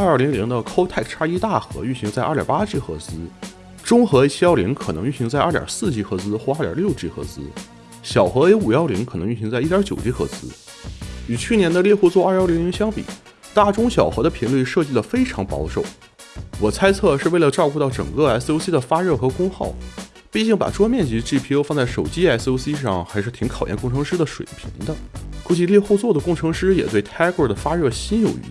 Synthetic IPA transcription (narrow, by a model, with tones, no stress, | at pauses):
a˞˥˩li˧˥ŋli˧˥ŋd̪ə˧kʰo˥ʊt̪ʰa˥˩ɪkʈ͡ʂʰa˥i˥t̪a˥˩xɤ̰˧˥y˥˩ɕi˧˥ŋt͡sa˥˧ɪɐ̰˥˩jʲɑ̰˨˩pa˥t͡ɕi˥˩xɤ̰˧˥t͡sɹ̩˥ | ʈ͡ʂʊ˥ŋxɤ˧˥e˧˥ɪt͡ɕʰi˥jɑ˥˩ʊli˧˥ŋkʰɤ˨˩nɤ˧˥ŋy˥˩ɕi˧˥ŋt͡sa˥˧ɪɐ˞˥˩tʲj̰ʲsɹ̩˥˩t͡ɕi˥xɤ˧˥t͡sɹ̩˥xwɔ˞˥˧˥jɑ̰˨˩ljo˥˧ʊt͡ɕi˥˩xɤ̰˧˥t͡sɹ̩˥ | ɕjɑ˨˩ʊxɤ˧˥e˧˥ɪu˨˩jɑ˥˩ʊli˧˥ŋkʰnɤ˧˥ŋy˥˩ɕi˧˥ŋt͡sa˥˧ɪi˥˩jt͡ɕjo˨˩ʊt͡ɕi˥xɤ̰˧˥t͡sɹ̩˥ | y˨˩t͡ɕʰy˥˩njɛ˧˥nd̪ə˧ljɛ˥˧xu˥˧t͡swɔ˥˧˥a˞˥˩li˧˥li˧˥ŋɕjɑ˥ŋpḭ˨˩˦ | t̪a˥˩ʈ͡ʂʊ˥ŋɕjɑ˨˩ʊxɤ˧˥d̪ə˧pʰi˧˥nly˥˧ʂɤ˥˧t͡ɕi˥˩d̪ə˩fe˥ɪʈ͡ʂʰɑ˧˥ŋpɑ̰˧˥ʊʂo˨˩ʊ | wɔ˨˩t͡sʰa˥ɪt͡sʰɤ˥˧ʂɻ̩˥˧we˥˩ɪlə˩ʈ͡ʂɑ˥˧ʊku˥˧t̪ɑ˥˩ʊʈ͡ʂɤ˨˩ŋkɤ˥˧a˧˥ɪso˥ʊsi˥d̪ə˨˩fa˥ɻɤ˥˩xɤ˧˥kʊ˥ŋxɑ˥˩ʊ | pi˥˧t͡ɕi˥˩ŋpa̰˨˩ʈ͡ʂwɔ˥mjɛ˥˩nt͡ɕi˧˥ʈ͡ʂɻ̩˥˩pʰi˧˥jo˧fɑ˥˧ŋt͡sa˥˩ʂo˨˩ʊt͡ɕi˥a˧˥ɪso˧˥ʊsi˥ʂ̬ɑ˥˩ŋxa˧˥ɪʂɻ̩˥˩t̪ʰi˧˥ŋkʰɑ˨˩ʊjɛ̰˥˧nkʊ˥˩ŋʈ͡ʂʰɤ˧˥ŋʂɻ̩˥d̪ə˨ʂwḛ˨˩ɪpʰḭ˧˥ŋd̪ə˧ku˧˥t͡ɕi˧˥ljɛ˥˧xu˥˧t͡swɔ˥˩d̪ə˩kʊ˥˩ŋʈ͡ʂʰɤ˧˥ŋʂɻ̩˥jɛ̰˨˩t̪we˥˩ɪt̪ʰa˥ɪkə˥˩d̪ə˩fa˥ɻɤ˥˩ɕi˥njo˨˩ʊy̰˧˥